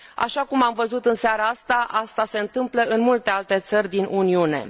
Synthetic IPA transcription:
a̰ʃakumamvəzut̪ɨnseaɾaast̪aʔast̪ase̞ɨnt̪ɨmpləʔɨnmult̪e̞alt̪e̞t̪sərʲd̪inʔuniune̞̰

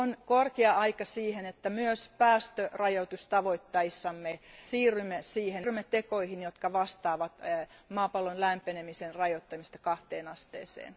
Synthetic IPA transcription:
onkorkeɑʔɑikɑsiːhenet̪ːæmyøspæːst̪ørɑjot̪ust̪ɑʋoit̪ːɑisːɑmːesiːrymːesiːherymːet̪ekoihinjot̪kɑʋɑst̪ɑːʋɑt̪mɑːpɑlːonlæmpenemisenrɑjot̪ːɑmist̪ɑkɑht̪eːnɑst̪ḛːsḛːn

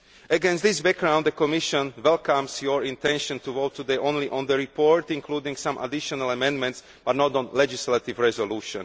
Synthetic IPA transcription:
ʔəɡɛ̃nst̪d̪ɪsbɛk̚ɡɾãw̃nd̪d̪əkɔmɪʃɔ̃nʋɛlkãmsjɔɹĩnt̪ɛ̃nʃɔ̃nt̪uʋoʊt̪ʰːud̪ɛɪʔõnliʔɔ̃nd̪əɹipʰɔɹt̪ĩŋkʰluːd̪ĩŋɡsãmʔa̰d̪ɪʃɔnaləmɛ̃nd̪mɛ̃nt̪s | b̥at̪nɔt̪ɔ̃nlɛd͡ʒislat̪ivɹɛzɔluːʃɔ̰̃n

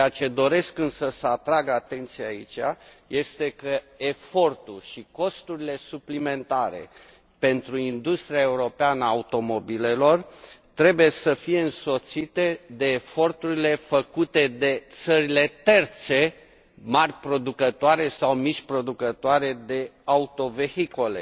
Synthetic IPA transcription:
t͡ʃeat͡ʃe̞d̪o̞ɾe̞skɨnsəsəat̪ɾaɡat̪e̞nt̪sijeaḭt͡ʃa̰ | je̞st̪e̞kə | e̞fo̞rt̪ulʃiko̞st̪uɾile̞suplime̞nt̪aɾe̞̰ | pe̞nt̪ɾuind̪ust̪ɾiae̞uɾo̞peanəaut̪o̞mo̞bile̞lo̞rt̪ɾe̞buje̞səfijeɨnso̞t̪sit̪e̞d̪e̞ːfo̞rt̪uɾile̞fəkut̪e̞d̪e̞t̪səɾile̞t̪e̞rt̪se̞ | marʲpɾo̞d̪ukət̪oaɾe̞sawmiʃʲpɾo̞d̪ukət̪oaɾe̞d̪e̞aut̪o̞ve̞hiko̞le̞̰

